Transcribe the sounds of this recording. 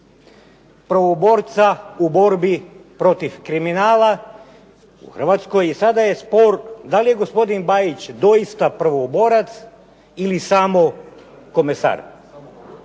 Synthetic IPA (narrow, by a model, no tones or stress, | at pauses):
pɾʋobo̞ɾt̪saubo̞ɾbipɾo̞t̪ifkɾiminaːla | ṵxr̩ʋat̪sko̞jisad̪ajespo̞ɾd̪alije̞ɡospo̞d̪inbajit͡ɕd̪o̞jist̪apɾʋobo̞ɾat̪s | ilisaːmo̞ | ko̞mesa̰ɾ